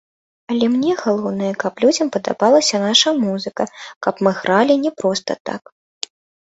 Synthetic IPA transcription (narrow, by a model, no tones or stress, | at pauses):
ɐlʲɛmnʲɛɣalˠɔwnɨjɐkɐplʲud͡zʲɐmpɐd̪a̰balˠɐsʲɐnaʂɐmuzɨkɐkɐpmɨɣɾalʲinʲɛpɾɔst̪ɐ̰t̪a̰k